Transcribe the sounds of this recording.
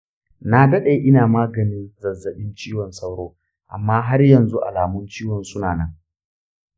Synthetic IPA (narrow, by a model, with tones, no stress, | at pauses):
na˦dɐ˦ɗe˨ʔɪ˦naː˨maː˦ɡɐ˨nɪ˦nzɐ˨zɐ˨ɓɪ˦nt͡ʃiː˦wɔ˨nsa˦wɽoː˦ | ʔa̰˨mːaː˦ɦa˦rjɐ˨nzu˦ʔa̰˨laː˨mʊ˦nt͡ʃiː˦wɔ˨nsʊ˦naː˨nɐ˦ŋ